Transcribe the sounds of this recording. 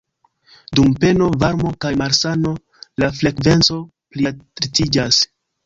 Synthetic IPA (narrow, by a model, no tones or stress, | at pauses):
dumpe̞no̞vaɾmo̞kajmaɾsano̞ | lafle̞kve̞nt͡so̞ | plitɾitid͡ʒas